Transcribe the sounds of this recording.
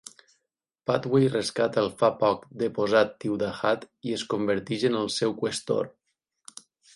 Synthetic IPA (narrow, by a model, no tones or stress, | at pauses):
pat̪wejrəskat̪əlˠfapɔkd̪əpozat̪ːiwd̪axat̪ | iəskumbəɾt̪iʒənəlˠsɛwkwəst̪o̰ɾ